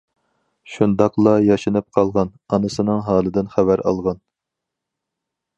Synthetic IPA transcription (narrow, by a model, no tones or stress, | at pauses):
ʃund̪ɑqlˠɑjɑʃɨnɨp̚qʰɑlˠʁɑnɑnɨsɨnɨŋɦɑːlˠɨd̪ɪnχæbæɾɑ̰lˠʁɑn